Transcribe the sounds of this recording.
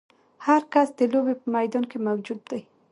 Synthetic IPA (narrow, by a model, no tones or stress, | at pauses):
haɾkasd̪ɪlobepəmajd̪ɔnkemawd͡ʒud̪̚d̪aj